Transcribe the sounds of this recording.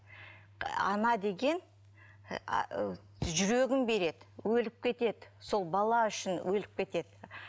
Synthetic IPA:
ɑ̰nɑd̪e̞ɡʲe̞n | ʒʏɾe̞ɡʲɪnbe̞ɾe̞d̪ɪwɵlɪp̚kʲʰe̞t̪e̞d̪ɪso̞lˠbɑlˠɑʏʃɪnwʔɵlɪp̚kʲʰe̞t̪e̞d̪̥ɪ

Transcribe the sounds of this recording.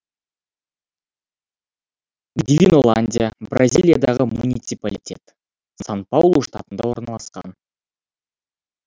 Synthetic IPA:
d̪ʲivʲino̞lˠanʲdʲijabrazʲijlʲˠijad̪ɑʁəmunʲit̪sɨpalʲitʲʰe̞̰t̪ | san̚pawlˠoʂt̪ɑ̰t̪ənd̪ɑwo̞ɾnɑlˠɑsqɑ̰n

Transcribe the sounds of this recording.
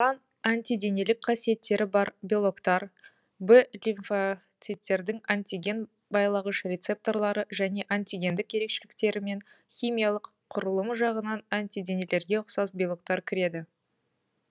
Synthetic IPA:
ʁɑn | ant̪ʲijd̪e̞ne̞lɪkʲqʰɑsije̞t̪ːe̞ɾɪbɑɾbʲilˠo̞kt̪ɑɾ | bɪlʲinfat̪sɨt̪ʲːe̞ɾd̪ɪŋanʲt̪ʲiɡʲe̞n | bɑjlˠɑʁəʃrʲe̞t̪se̞p̚t̪o̞rlˠɑɾəʒæne̞ʔanʲt̪ʲiɡʲe̞nd̪ɪkje̞ɾe̞kʃelɪkt̪e̞ɾɪme̞nχʲijmʲijɑlˠəqʰːʊɾəlˠəmʒɑʁənɑnant̪ʲid̪e̞ne̞le̞ɾɡʲe̞ʊqsɑzbʲilˠok̚t̪ɑɾkʲʰɪɾe̞d̪ɪ

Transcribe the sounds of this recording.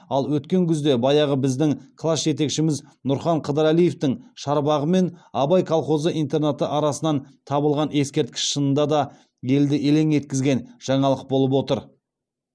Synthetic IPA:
ɑlˠwɵt̪kʲe̞ŋkʲʰʏzd̪e̞bɑjɑʁəbɪzd̪ɪŋkʰlˠasʒe̞t̪̬e̞kʃɪmɪz | nʊɾχɑɴqʰəd̪əɾælije̞ft̪ɪŋʃɑɾbɑʁəme̞nɑbɑjkʰɑlˠχo̞zəʔijnt̪e̞ɾnat̪əʔɑɾɑsənɑnt̪ʰɑbəlˠʁɑne̞skʲe̞ɾt̪̚kʲɪ̥sʃənənd̪ɑd̪ɑ | je̞ld̪ɪʔele̞ŋe̞t̪̚kʲɪzɡʲe̞nʒ̥ɑɴɑlˠəq̚bo̞lˠəp̬wo̞t̪əɾ

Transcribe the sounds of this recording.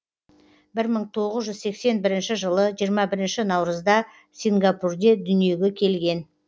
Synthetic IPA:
bɪɾməɴt̪ʰo̞ʁəzʒʏzse̞kse̞nbɪɾɪnʃɪʒəlˠəʒijəɾmɑbɪɾɪnʃɪnɑwɾəzd̪ɑ | siŋɡapurd̪e̞d̪ʏnije̞ɡʲe̞kʲʰe̞lɡʲe̞n

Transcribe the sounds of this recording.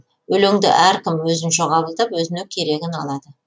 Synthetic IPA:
wɵleŋd̪ɪ̰ʔæɾkʲʰɪmwɵzɪnʃoqʰɑbəlˠd̪ɑpwɵzɪnɪŋkʲʰe̞ɾe̞ɡʲɪnɑlˠɑd̪ə

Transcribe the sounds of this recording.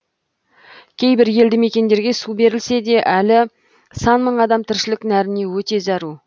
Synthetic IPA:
kʲʰe̞jbɪɾje̞ld̪ɪme̞kʲe̞nd̪eɾɡʲe̞sube̞ɾɪlse̞d̪e̞ʔælɪ | sɑnməɴɑd̪ɑmt̪ʰɪɾʃɪlɪknæɾɪne̞wɵt̪e̞zɑɾu

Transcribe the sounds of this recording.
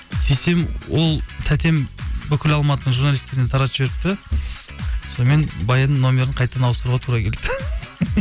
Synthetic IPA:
sʰejse̞mwo̞lˠt̪ʰæt̪ʰe̞mbʏkʲʰɪlɑlˠmɑt̪ənəɴʒuɾnɑlʲist̪e̞ɾɪnet̪ʰɑɾɑt̪ʒeɾɪp̚t̪ɪ | sonme̞nbɑjənənnːo̞mʲe̞ɾəɴqʰɑjt̪əd̪ɑnɑwəst̪əɾuʁɑt̪ʰuɾɑkʲʰe̞let̪ɪ

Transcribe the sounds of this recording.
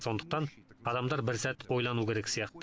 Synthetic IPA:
so̞nd̪ə̥q̚t̪ɑnɑd̪ɑmd̪ɑɾbɪɾzæt̪ojlˠɑnuwkʲeɾekʲsijɑqt̪

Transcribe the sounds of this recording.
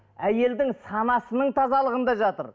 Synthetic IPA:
æje̞ld̪ɪŋsɑnɑsənəɴt̪ʰɑzɑlˠəʁənd̪ɑʒɑt̪ə̰ɾ

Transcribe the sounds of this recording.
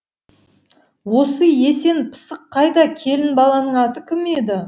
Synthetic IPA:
wo̞səje̞se̞npʰə̥səqʰːɑjd̪ɑkʲʰe̞lɪnbɑlˠɑnəɴɑt̪əkʲʰɪme̞d̪ɪ

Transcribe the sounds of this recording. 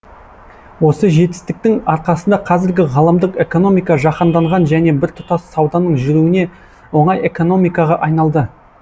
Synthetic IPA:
wo̞səʒe̞t̪ɪ̥st̪ɪk̚t̪ɪŋɑɾqɑsənd̪ɑqʰɑzɪɾɡʲɪʁɑlˠəmd̪əqe̞ko̞no̞mijkɑʒɑqənd̪ɑɴʁɑnʒæne̞bɪɾt̪ʰʊ̥t̪ɑsːɑwd̪ɑnəɴʒʏɾuwɪne̞ | wo̞ɴɑje̞ko̞no̞mijkɑʁɑʔɑjnɑlˠd̪ə

